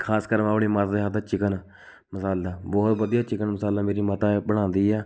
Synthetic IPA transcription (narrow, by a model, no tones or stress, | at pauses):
kʰaːskəɾmãːpɽiːmat̪aːd̪eːɦat̪ʰːaːt͡ʃɪkən | məsaːld̪aːbɔːt̪ʋəd̪ijaːt͡ʃɪkənməsaːld̪aːmeːɾiːmət̪aːbəɽ̃ãːnd̪iːɛː